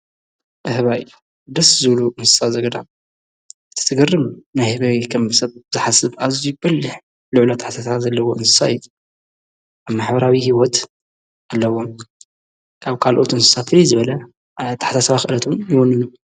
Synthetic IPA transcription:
ʔɨhβaj | d̪ɐszɨβluʔɨnsɨ̥sazɐɡɐd̪am | ɨt̪ʰɨ̥t̪ʰɨɡɐrːɨmnajhɨβɐkʰɐmɨsɐβ̚bɨzɨħasɨβazujbɐlːɨħ | lʊʕlat̪ʰːaħt̪ʰasaβazɐlːɐwoʔɨnsɨ̥saj | ʔaβmaħbɐɾawihiwɔt̪ | alːɐwom | kʰaβkʰalʔo̞t̪ɨnsɨ̥sat̪fɨɾizɨβɐlɐ | t̪ʰːaħt̪ʰasɐβaxɨʔɨlɐt̪ʰomjwɔnːɨnu

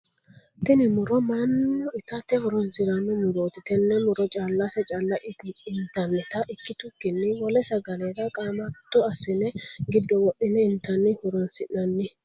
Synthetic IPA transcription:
t̪ɪnɪmʊɾɔmanːɔɪt̪ɐt̪ɛhʊɾɔnsɪɾɐnːɛmʊɾoːt̪ɪt̪ɛnːɛmʊɾɔt͡ʃʼaːlːasɛt͡ʃʼaːlːɐʔɪnt̪ɐnːɛt̪ɐʔɪkːɪt̪ʊkːɪnːɪwɔlɛsɐɡɐleːɾɐkʼaːmɐt̪ːuɐsɪnɛɡɪd̪ːɔwɔɗːɪnɛɪnt̪ɐnːɪhʊɾɔnsɪnɐnːɪ

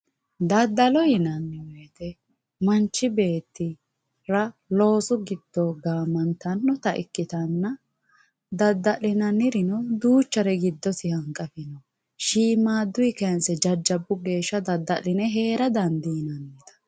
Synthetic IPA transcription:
d̪ɐd̪ːɐlɔjɪnɐnːɪweːt̪ɛ | mɐnt͡ʃːɪbe̞ːt̪ːɪ | ɾɐlo̞ːsʊɡɪd̪̥ːɔɡaːmɐnt̪ɐnːɔt̪ɐʔɪ̰kːɪt̪ɐnːɐ | d̪ɐd̪ːɐlːɪnɐnɪɾɪnɔd̪uːt͡ʃːɐɾɛɡɪd̪ːɔsɪhɐŋkʼːɐfɪnɔ | ʃiːmaːd̪ːʊjɪkɛnsɛd͡ʒɐd͡ʒːɐbːʊɡe̞ːʃːɐd̪ɐd̪ːɐlːɪnɛɦe̞ːɾɐd̪ɐnd̪ɪjnɐnːɪt̪ɐ̥

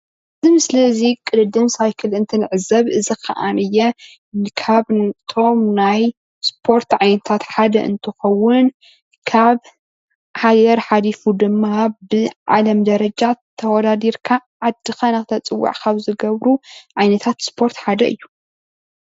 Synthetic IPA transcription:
ʔɨzimɨslɐzikʼɨlɨd̪ɨmsajkʰɨlɨnt̪ʰɨnɨʕɨzɐβɨzikʰɐ̰ʔanɨjːɛ | kʰaβt̪ʰo̞mnaj | spʰo̞ɾt̪ʕajnɐt̪ʰat̪ħad̪ɐ̰ʔɨ̰nt̪ʰɨxɐwːʊn | kʰaβ | ħajɛɾħalifud̪ɨmːabɨʕa̰lɐmd̪ɐɾɐd͡ʒat̪ʰːɐwɔd̪ad̪iɾkʰaʕad̪ːɨxanɐxɨt̪ʰɐt͡sʼɨwːa̰ʕkʰaβzɨɡɐβɾuʕajnɐt̪ʰat̪spʰo̞ɾt̪ħad̪ɐʔɨ̰jːu

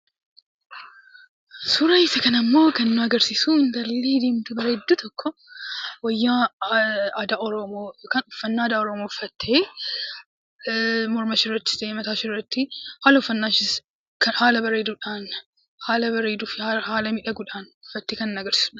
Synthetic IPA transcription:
suɾaɪsɐkɐnɐmːo̞ːkɐnɪnʊɐɡɐɾsisuɪŋɡ̪ɐlːeːd̪eːmt̪ʊbɐɾɐɛd̪ːuːt̪ɔkːɔwɐjːa | ɐd̪aːɔɾɔmokɐnʊfːɐnːaːd̪aːɔɾɔmoːʊfːɐt̪ʰːe | mɔɾmɐʃɪrːɐt̪ːɪst̪ɐʔeːmɐt̪aːʃɪrːɐt̪ːɪhaːlɐʊfːɐnːaːʃɪs | kɐhaːlɐbɐɾeːd̪uːᶑaːn | haːlɐbɐɾeːd̪uːfɪahaːlɐmɪᶑɐɡʊᶑaːnʊfːɐt̪ːikɐnɪnːʊɐɡɐɾsɪ̥sʊᶑ

